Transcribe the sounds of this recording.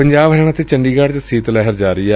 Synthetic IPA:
əɲd͡ʒaːbɦɛɽ̃ãːt̪eːt͡ʃənɖiːɡaːɽt͡ʃsiːt̪lɛːɦəɾd͡ʒaːɾəiːɛː

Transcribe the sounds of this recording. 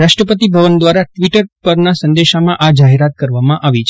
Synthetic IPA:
ɾaʃʈɾəpət̪ibʱəʋənd̪ʋaɾaʈʋiʈəɾpəɾnasə̃nd̪eʃamãʔad͡ʒaɦeɾat̪̚kəɾʋamãʔaʋit͡ʃʰ

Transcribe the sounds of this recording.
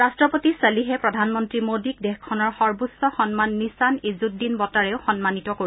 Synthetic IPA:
ɹastɹɔpotiseliɦɛpɹɔdʱanmɔntɹimodik̚dɛxkʰːɔnɔɹxɔɹbusɔxɔnmanːisanizut̚dinbɔtaɹɛʊxɔnmanitɔkoɹi

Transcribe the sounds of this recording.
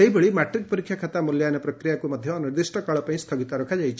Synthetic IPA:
eɦibeɭimɛʈɾik̚pɔɾikʰjakʰat̪amuljajnɔpɾɔkɾijakumɐd̪ʱjɔniɾd̪isʈʰɔkaɭɔpaĩst̪ʰɐɡit̪aɾɔkʰad͡ʒajt͡ʃʰi

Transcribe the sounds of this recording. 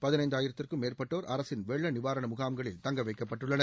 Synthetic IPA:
pɐðɪnɐɪnd̪aːjɪɾɐt̪ːɪrkɯmeːrpɐʈːoːɾʔɐɾɐsɪnʋɛɭːɐnɪʋaːɾɐɳɐmʊɣaːmɡɐɭɪ̰lt̪ɐŋɡɐʋɐɪkːɐpːɐʈːɯɭːɐnɐ

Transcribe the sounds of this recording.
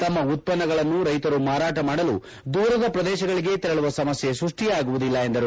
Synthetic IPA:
t̪ɐmːɐut̪̚pɐnːɐɡɐɭɐnːuɾɐjt̪ɐɾumaːɾaːʈɐmaːɽɐlṵ | d̪uːɾɐd̪ɐpɾɐd̪ɛːʃɐɡɐɭiɡe̞t̪ɛɾɐɭuʋɐsɐmɐsjesɾuʂʈijaːɡuʋud̪ilːɐe̞nd̪ɐɾu

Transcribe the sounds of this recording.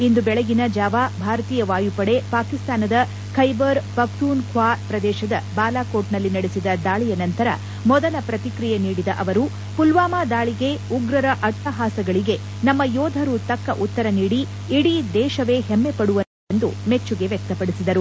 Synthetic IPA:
ind̪ubɛɭɛɡinɐd͡ʒaːʋaːbʱaːɾɐt̪iːjɐʋaːjupɐɽe̞paːkist̪aːnɐd̪ɐ | kʰɐjbɐɾpɐkt̪uːnkʰʋaːpɾɐd̪ɛːʃɐd̪ɐbaːlaːkoːʈnɐlːinɐɽesid̪ɐd̪aːɭijɐnɐnt̪ɐɾɐ | mɔd̪ɐlɐpɾɐt̪ikɾijeniːɽid̪ɐʔɐʋɐɾu | pulʋaːmaːd̪aːɭiɡe̞uɡɾɐɾɐʔɐʈ̪ʰːɐɦaːsɐɡɐɭiɡe̞ | nɐmːɐjɔːd̪ʱɐɾut̪ɐkːɐʔut̪ːɐɾɐniːɽi | iɽid̪ɛːʃɐʋe̞ːhemːepɐɽuʋɐ | nd̪ume̞t͡ʃːuɡe̞ʋjɛk̚t̪ɐpɐɽisid̪ɐɾu

